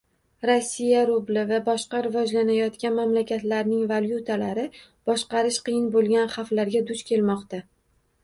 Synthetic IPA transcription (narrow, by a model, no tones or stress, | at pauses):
ɾosːijaɾʊblɪvabɒʃqɑɾɪvɒd͡ʒlanajɒt̪kʲanmamlakʲat̪laɾnɪŋvaljut̪ʰalaɾɪb̥ɒʃqɑɾɪʃqɨjɪnbolˠɡʲanχaflaɾɡʲad̪ʊt͡ʃkʲʰe̞lmɒqt̪a